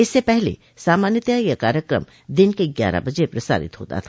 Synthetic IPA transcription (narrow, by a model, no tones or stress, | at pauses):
ɪsːepɛɦlḛ | saːmaːnjət̪jajakaːɾjəkɾə̰m | d̪ɪnkeɡja̰ːɾa̰bɐd͡ʒepɾɐsa̰ːɾɪ̰t̪ɦo̰ːt̪a̰t̪ʰa